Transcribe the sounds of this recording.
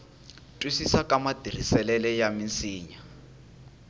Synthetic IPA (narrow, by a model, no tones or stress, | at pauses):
tʼwisisakamadir̤isɛlɛlɛjamint͡siːɲa